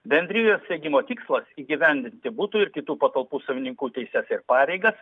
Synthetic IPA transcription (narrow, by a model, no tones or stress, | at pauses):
bʲɛnʲd̪ʲɾʲɪjoːssʲeːɡʲɪmoːt̪ʲɪkslˠɐsiːɡʲɪʋʲɛnʲd̪ʲɪnʲt̪ʲɪbut̪uɪɾkʲɪt̪uːpɐt̪ɐlˠpuːsɐʋʲɪnʲɪŋkuːt̪ʲɛɪsʲæsɪɾpɑːɾʲɛɪɡɐs